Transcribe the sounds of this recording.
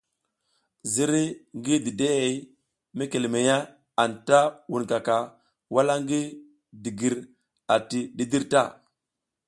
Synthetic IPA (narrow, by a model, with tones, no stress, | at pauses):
zi˦ɾi˦ŋɡi˦di˨de˦ɣe˨˦ | me˦ke˨le˨me˨ja˦ | a˨nta˦wu˨nka˨ka˨ | wa˦la˦ŋɡi˦ | di˨ɡi˨ɾ | a˨ti˨ɗi˦di˦ɾta̰˦˨